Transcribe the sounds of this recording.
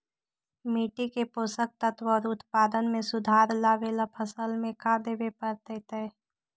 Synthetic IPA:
miːʈikepoːsək̚t̪ət̪wəːɾʊt̪paːd̪ənmẽsʊd̪ʱaːɾlaʋelapʰəsəlmẽkad̪eːbepəɾt̪ɛt̪ɛː

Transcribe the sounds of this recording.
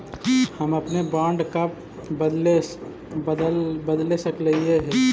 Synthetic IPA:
həmɐpnebaːɳɖkap | bəd̪le | d̪lbəd̪lesəkləieɦɛ̃

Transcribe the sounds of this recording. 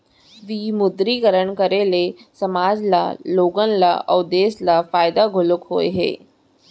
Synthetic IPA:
ʋimʊd̪ɾikəɾəɳkəɾelesɐmaːd͡ʒla̰loːɡənla̰ʔɔːd̪eːslafaːjd̪aɡʱʊlʊkɦoːeɦḛː

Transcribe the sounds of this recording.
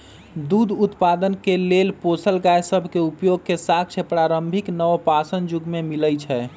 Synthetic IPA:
d̪ud̪ʱut̪pad̪ənkelelposəlɡajsəbʱkeupjoɡ̚kesak̚ʰt͡ʃʰepɾaɾəmbʱiknəpasənd͡ʒuɡmemiləjt͡ʃʰɛ

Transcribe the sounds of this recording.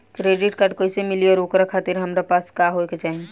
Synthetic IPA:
kɾeːɖɪʈkəʈkoːɪsemɪliɔːɾokɾakʰaːt̪ɪɾɦɐmɾapaːskaɦoeket͡ʃaːɦin

